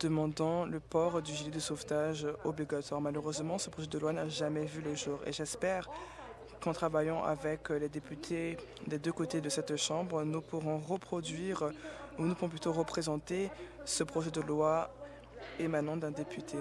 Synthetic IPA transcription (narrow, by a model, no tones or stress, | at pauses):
d̪̥əmɑ̃d̪ɑ̃ləpɔʁd̪yʒiled̪əsoft̪aʒɔbliɡat̪waʁmaløʁøzmɑ̃səpχɔʒɛd̪əlwanaʒamɛvyləʒuːʁḛʒɛspɛʁ | kɑ̃t̪χavajɑ̃ʔa̰vɛkled̪epyt̪ʰe | d̪ed̪økot̪ed̪əsɛt̪ʃɑ̃bʁnupuʁɔ̃ʁəpχɔd̪ɥiʁunupuʁɔ̃p̬lyt̪oʁəpχezɑ̃t̪esəpχɔʒɛd̪əlwa | emanɑ̃d̪ɛ̃d̪epʰyt̪ʰe